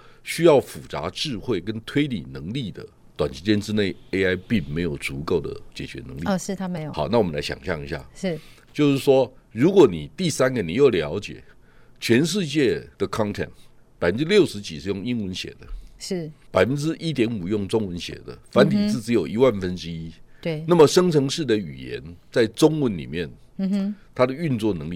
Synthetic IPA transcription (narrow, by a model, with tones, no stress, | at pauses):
ɕy˥jɑ˥˩ʊfu˨˩t͡sa̰˧˥˦ʈ͡ʂɻ̩˥˧xwe˥˩ɪkə˦nt̪ʰwe˥ɪlḭ˨˩nɤ˧˥ŋli˥˩d̪ə̰˩ | t̪wa˨˩nt͡ɕi˧˥t͡ɕjɛ˥nʈ͡ʂɻ̩˥ne˥˩ɪe˥ɪa˥ɪpi˥˩ŋme˧˥ɪjo˨˩ʊt͡su˧˥ko˥˩ʊd̪ə̰˩t͡ɕjɛ˨˩t͡ɕɥɛ̰˧˦˥nə̰˧˦ŋli˨˧ʂɻ̩˥˩t̪ʰa˥me˧˦jo˨xa̰˨˦ʊna˥˩wɔ˨mə˦nla˧˥ɪɕjɑ̰˨˩ŋɕjɑ̰˥˨ŋi˧˥ɕja̰˥˩ʂɻ̩˥˩t͡ɕjo˥˧ʊʂɻ̩˥˩ʂwɔ˦ | ɻu˧˥kwɔ˨˧˩ni˨˩t̪i˥˩sa˥nɡə˨ni˨˩jo˥˩ʊljɑ˧˥ʊt͡ɕjɛ̰˨˩˦ | t͡ɕʰɥɛ˧˥nʂ̬ɻ̩˥˧t͡ɕjɛ˥˩d̪̥ə˩kʰɑ˦˥nt̪ʰɛ̰˥˨˩n | pa˨˩ɪfə˦nʈ͡ʂɻ̩˦ljo˥˩ʊʂɻ̩˧˥t͡ɕi˨˩ʂɻ̩˥˧jʊ˥˨ŋi˥nwə˧˥nɕjɛ̰˨˩d̪ə˦ʂ̩˥˩pa˨˩ɪfə˦˥nʈ͡ʂɻ̩˦ʔi˦˥t̪̬jɛ˧˥nu˨˩jʊ˥˩ŋt͡sʊ˥ŋwə˧˦nɕjɛ̰˨˩d̪ə̰˦fa˧˦nt̪ʰi˨˩t͡sɹ̩˥˩t͡sɻ̩˧˥jo˨˩ʊi˧˦˥wa˥˩nfə˦nʈ͡ʂɻ̩˦i˦we˥˩na˥˩mə˨ʂə˥ŋt͡sʰɤ˧˥ŋʂɻ̩˥˩d̪ə˨y̰˨˩jɛ̰˧˦nt͡sa˥˩ɪʈ͡ʂʊ˥ŋwə˧˥nlḭ˨˩mjɛ˥˩n | t̪ʰa˥d̪ə˨y˥˧nt͡swɔ˥˩nɤ̰˧˦ŋlḭ˥˨˩